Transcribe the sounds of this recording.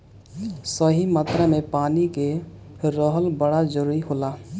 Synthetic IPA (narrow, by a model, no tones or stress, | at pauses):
səɦimat̪ɾəmẽpaːnike | ɾəɦəlbəɽad͡ʒəɾuːɾiɦoːlaː